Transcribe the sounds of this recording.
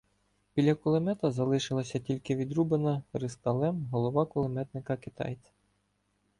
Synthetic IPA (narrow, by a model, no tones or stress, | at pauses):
bʲilʲːɐkʊlˠemɛt̪ɐzɐlˠɪʃɪlˠɐsʲɐtʲilʲkɪʋʲid̪ɾubenɐɾɪst̪ɐlˠɛmɦɔlˠɔʋɑkʊlˠemɛt̪nɪkɐkɪt̪ɑ̰jt͡s̪ʲ